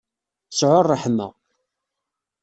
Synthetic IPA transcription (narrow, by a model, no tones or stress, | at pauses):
əsʕʊɾˤːəħnːə̰